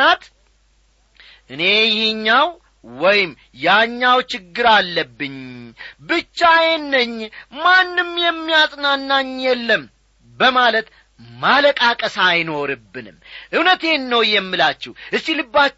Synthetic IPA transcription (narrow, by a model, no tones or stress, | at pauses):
at̪ | ʔɨne̞jɪhɨɲːaw | wɔjɪm | jaɲːawt͡ʃɪɡːɨɾalːəbːɨɲbɨt͡ʃːajɛnːəɲːmanːɨmjɛmːijasʼnanːaɲjɛlːəm | bəmalət̪ | maləkʼakʼəsajno̞ɾɨbːɨnɨ̰mʔɨwnət̪e̞nːəwjɛmːɨlat͡ʃːɛʔɨsːilɨbːa